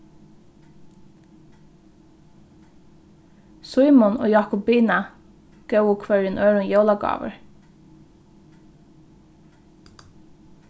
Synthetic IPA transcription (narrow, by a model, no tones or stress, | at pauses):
sujmʊno̰ːjɑːkʊpbiːna | ɡ̥œwʊkʰvœɹjɪnʔøːɹʊnjowlaɡɑ̰ːʋə̰ɹ